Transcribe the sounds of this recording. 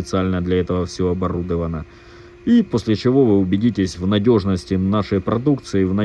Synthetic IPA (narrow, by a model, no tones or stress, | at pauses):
ɪt̪sɨalʲnəd̪lʲɐɛt̪əvəfsʲoɐbɐɾud̪əvənə | ipo̞sʲlʲɪt͡ɕɪvo̞vɨʊbʲɪdʲitʲɪsʲvnɐdʲo̞ʐnəsʲtʲɪnaʂəjpɾɐd̪ukt̪sɨɪvnɐ